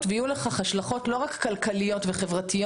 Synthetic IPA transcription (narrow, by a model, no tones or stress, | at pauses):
tvejuleχaχhaʃlaχo̞tlo̞ʁakːalkalijo̞tveχe̞vʁatijo